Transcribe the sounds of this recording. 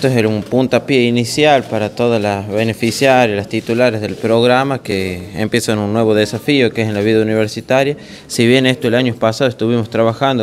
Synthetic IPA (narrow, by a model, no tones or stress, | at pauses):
t̪oeselumpunt̪apjeinisjalpaɾat̪o̞ð̞alasβene̞fisjaɾjalast̪it̪ulaɾezðelpɾo̞ɣɾamakḛːmpje̞sanunːwe̞βo̞ðesafio̞kesenlaβiðauniβ̞eɾsit̪aɾja | siβje̞nest̪oelaɲopasaðoe̞st̪uβimo̞st̪ɾaβaxand̪o